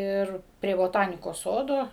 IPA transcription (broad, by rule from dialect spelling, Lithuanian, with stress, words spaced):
ˈɪr pʲrʲiɛ boːˈtɑːnʲɪkoːs ˈsoːdoː